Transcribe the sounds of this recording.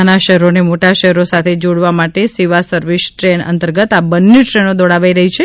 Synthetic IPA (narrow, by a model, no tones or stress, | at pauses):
anaʃɛɦɾonemoʈaʃɛɦɾosat̪ʰed͡ʒoɽʋamaʈesiʋasəɾʋisʈɾeɳə̰nt̪əɾɡət̪abənːeʈɾenod̪ɔɽaʋaiɾəɦit͡ʃʰe